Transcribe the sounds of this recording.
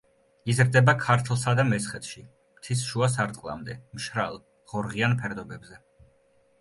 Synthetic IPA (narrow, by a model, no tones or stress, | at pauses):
izɾd̪ɛbakʰaɾt̪ʰlˠsad̪amɛsχɛt̪ʰʃi | mt̪sʰisʃuas̬aɾt̪ʼqʼlˠa̰md̪ɛmʃɾa̰lˠ | ʁ̥ɔɾʁianpʰɛɾd̪ɔbɛbzɛ